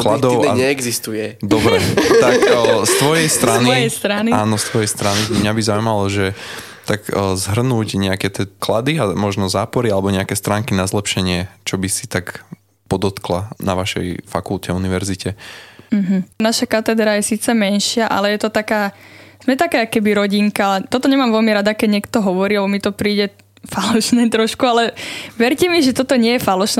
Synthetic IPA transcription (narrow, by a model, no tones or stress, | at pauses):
klad̪ɔʊaɲɛːɡzist̪ujɛd̪ɔbɾɛt̪akːst̪ʋɔjɛjst̪ɾanist̪ɾaniaːnɔst̪ʋɔjɛjst̪ɾanibimɲabizaumalɔʒɛ | t̪aɡzɦr̩nuːcɲɛakɛt̪ɛklad̪iamɔʒnɔzaːpɔɾialɛbɔɲɛakɛst̪ɾaːŋkinazlɛpʃɛɲɪɛt͡ʃɔbisit̪ak | pɔd̪ɔt̪klanaʋaʃɛ̰jfa̰kulcɛuniʋɛɾzicʰɛm̩ɦm̩naʃakat̪ɛd̪ɾajɛsiːt͡sɛmɛnʃɪaʔa̰lɛjɛt̪ɔt̪akaːz̥mɛt̪akɛːakːɛbiɾɔɟiŋkat̪ɔt̪ɔɲɛmaːmʋɛlmiɾad̪akɛɟɲɪɛkt̪ɔɦɔʋɔɾiːlɛbɔmit̪ɔpɾiːɟɛ | falɔʃnɛːt̪ɾɔʃkualɛʋɛɾcɛmiʒɛt̪ɔt̪ɔɲɪɛjɛfalɔʃn